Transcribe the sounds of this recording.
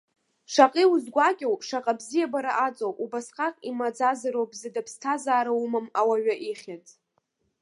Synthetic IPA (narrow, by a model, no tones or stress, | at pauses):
ʂaqʼiuzɡʷakʲʼawʂaqʼabzijabaɾaʔat͡sʼowpʼubasqaqʼimad͡zazaɾowbzɨdapʰstʰazaːɾawmamawaɥaʔiχʲatʼ